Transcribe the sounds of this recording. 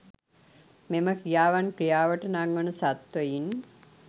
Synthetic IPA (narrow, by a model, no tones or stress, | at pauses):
meməkɾijaːʋankɾijaːʋəʈənaŋːənusat̪ʋəjin